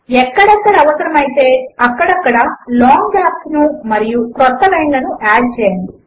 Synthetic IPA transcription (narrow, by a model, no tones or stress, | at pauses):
ɛkːɐɽɐkːɐɽɐɐʋɐsɐɾɐmɐjit̪e̞ːɐkːɐɽɐkːɐɽɐlɔːŋɡɡaːpsnumɐɾijukɾɔt̪ːɐlɐjnlɐnuʔaːɖ̚t͡ʃɛːjani